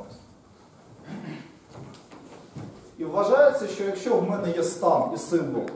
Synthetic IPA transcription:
iʋʋɐʒɑjet͡sʲːɐʃt͡ʃɔjɐkʃʲt͡ʃɔwmɛnɛjɛst̪ɑmisɪnbɔ̰lˠ

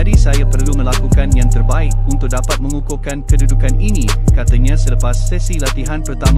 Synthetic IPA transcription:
adisajapərlumə̃lakukanjãŋt̪ərbaɪk̚unt̪ʊk̚dapat̪̚mə̃ŋukukankədudukaninikat̪aɲãsələpasːɛsilat̪iɦanpərt̪am

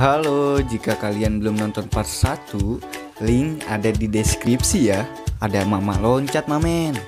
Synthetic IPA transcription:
ɦalod͡ʒikakalianbəlʊmnɔnt̪ɔnparsat̪u | lɪŋadadideskɾip̚sija | adamamalɔɲt͡ʃat̪̚mamɛn

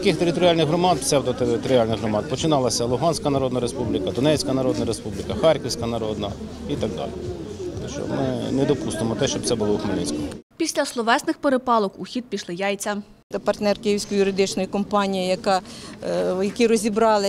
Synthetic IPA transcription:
kɪxt̪eɾɪt̪ɔɾʲɪɑlʲnɪxɦɾɔmɑd̪sɛwd̪ɔɪt̪ɔɾʲɪɑlʲnɪɣɦɾɔmɑd̪̚pɔt͡ʃɪnɑlˠɐsʲɐlˠʊɦɑnsʲkɐnɐɾɔd̪nɐɾespublʲikɐd̪ɔnɛt͡sʲkɐnɐɾɔd̪nɐɾe̞spublʲɪkɐxɑrʲkɔwsʲkɐnɐɾɔd̪nɐ | it̪ɑɡ̚d̪ɑ̰lʲḭɛʃt͡ʃɔ̰mɪ̰nɛd̪ɔpust̪emɔt̪ɛʃt͡ʃɔb̪̚sɛbʊlˠɔʊxmɐnʲisʲkɔmɔpʲisʲlʲɐslˠɔʋɛsnɪxpeɾepɑlˠɔkuxʲid̪̚pʲiʃlˠɪjɑjt͡sʲɐ | ɐpɐrt̪nɛrkɪjiwsʲkɔjʊɾɪd̪ɪt͡ʃnɔjikɔmpɑnʲijijɐkɑ | jɐkʲiɾɔzʲibɾɑlˠɪ

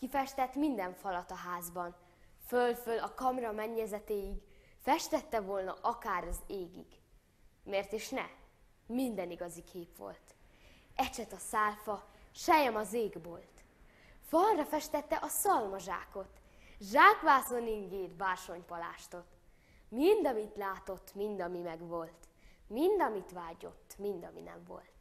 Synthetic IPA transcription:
kifɛʃt̪ɛt̪mind̪ɛɱfɒlɒt̪ɒɦaːzbɒn | følfølɒkɒmrɒmɛɲːɛzɛt̪eːjiɡ | fɛʃt̪ɛt̪ːɛvo̞lnɒʔɒkaːɾɒzeːɡḭɡ̥ | meːrt̪eːʃnɛ | mind̪ɛniɡɒzikʰeːpʋo̰lt̪ | ɛt͡ʃɛt̪ɒsaːlfɒʃɛjɛmɒzeːɡboːlt̪ | fɒlrɒfɛʃt̪ɛt̪ːɛʔɒsɒlmɒʒa̰ːko̞t̪ | ʒaːkʋaːsoniŋɡeːt̪baːrʃo̞ɲpɒla̰ːʃt̪o̞t̪ | mind̪ɒmit̪laːt̪o̞t̪ːmind̪ɒmimɛɡʋo̞lt̪ | mind̪ɒmit̪ʋaːɟo̞̰t̪ːmind̪ɒmḭnɛ̰ɱvo̰lt̪

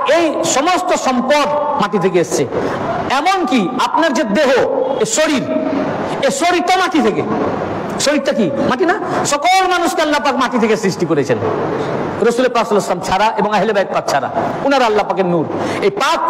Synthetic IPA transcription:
ejʃɔmost̪oʃɔmpoɖmaʈit̪ʰekeest͡ɕʰe | ɛmonkiapnaɾd͡ʑed̪eɦoeʃoɽiɾ | eʃoɽiɾt̪amaʈʰit̪ʰekḛ | soɾiɾt̪ːakimaʈinaʃɔkolmanuskealːapakmaʈit̪ʰekesɾisʈikoɾet͡ɕʰen | ɾosulepɾasuleslamt͡ɕʰaɾaʔeboŋaɦelebaet̪̚pak̚t͡ɕʰaɾa̰unaɾalːapakeɾnuɾejpak

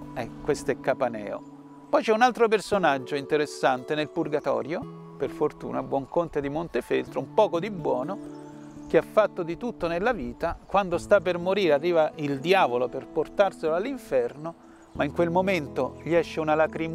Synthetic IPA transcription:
ɛkːwest̪oɛkːapanɛ̰ːo̰ | pɔjt͡ʃɛunalt̪ɾop̬ersonad͡ʒːoint̪eɾesːant̪enelpurɡat̪ɔ̰ːɾjo | perfort̪ṵːnabwɔŋkont̪ed̪imont̪efelt̪ɾoumpɔːkod̪ibːwɔːno | k̟eafːat̪ːod̪it̪ut̪ːonelːaviːt̪akwand̪ost̪apːermoɾiːɾearːiːvaʔild̪jaːvoloperport̪arseloalːiɱfɛrno | maiŋkwelmoment̪oʎiɛʃːeunalakɾim

